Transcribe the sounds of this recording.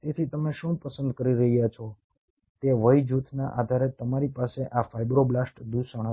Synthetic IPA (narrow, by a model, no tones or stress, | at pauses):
t̪et̪ʰit̪əmeʃũpəsənd̪kəɾiɾəɦijat͡ʃʰɔ | t̪eʋəjd͡ʒut̪ʰnaʔad̪ʱaɾet̪əmaɾipaseʔafajbɾoblasʈd̪usəɳ̃ə